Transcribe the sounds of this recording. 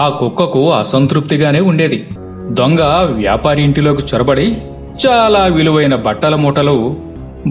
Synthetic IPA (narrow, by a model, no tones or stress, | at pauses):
aːkukːɐkuɐsɐnt̪ɾup̚t̪iɡaːne̞ːuɳɖe̞ːd̪i | d̪oŋɡɐʋja̰ːpaːɾiiɳʈilo̞ːkit͡ʃɔɾɐbɐɽi | t͡ʃaːlaːʋiluʋɐjnɐbɐʈːɐlɐmɔːʈɐlu